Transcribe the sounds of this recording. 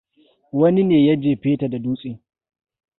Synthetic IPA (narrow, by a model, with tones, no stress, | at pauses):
wɐ˦ni˦neː˨ja˦d͡ʒeː˨ɸeː˦ta˨da˨duː˦sʼɪ˦ŋ